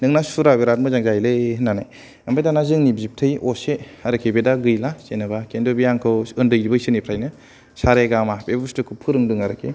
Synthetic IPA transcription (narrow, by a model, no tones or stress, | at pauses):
nɯŋnasuɾabeɾat̚mɯzaŋzajlɯhnːanaj | ɐmbejdanazɯŋnibzip̚tʰɯjoseɐɾɯkʰebedaɡɯjlasenɯbakendobijaŋkʰɯwɯndɯjɾibɯjsɯnipʰɾajnɯ | saɾeɡamapebustɯkʰɯpʰɯɾɯŋdɯŋaɾɯkʰe